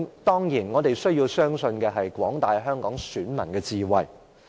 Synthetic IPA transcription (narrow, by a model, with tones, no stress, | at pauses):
t̪ɔː˥ŋjiː˨˩nŋɔː˨˧t̪e˨jsɵ˥ɥjiː˧wsœː˥ŋsɵ˧nkɛː˧ɦɐ˨jkwɔː˨˥ŋt̪aː˨jɦœː˥ŋkɔː˨˥ŋsyː˨˥nmɐ˨˩nkɛː˧t͡siː˧wɐ˨j